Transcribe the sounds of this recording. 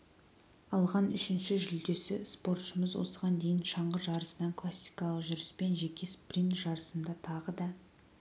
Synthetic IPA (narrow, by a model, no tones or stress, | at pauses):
ɑlˠʁɑnʏʃɪnʃɪʒʏld̪e̞sɪspo̞rt̪ʃəməzwo̞̰səʁɑnd̪e̞jɪnʃɑɴʁəʒɑɾəsənɑkʰlˠasːijkɑlˠəqʒʏɾɪspe̞nʒe̞kʲesprʲint̪ʒ̥ɑɾəsənd̪ɑt̪ʰɑʁəd̪ɑ